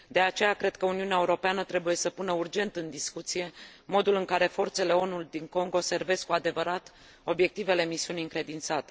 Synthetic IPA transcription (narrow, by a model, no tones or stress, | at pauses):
d̪e̞at͡ʃe̞jakɾe̞d̪̚kəuniuneaeuɾo̞peanət̪ɾe̞buje̞səpunəurd͡ʒe̞nt̪ɨnd̪iskut̪sije̞mo̞d̪ulɨŋkaɾe̞fo̞rt̪se̞le̞o̞nuld̪iŋko̞ŋɡo̞se̞rve̞skuad̪e̞vəɾat̪ | o̞bje̞k̚t̪ive̞le̞misiuniiɨŋkɾe̞d̪int̪sat̪e̞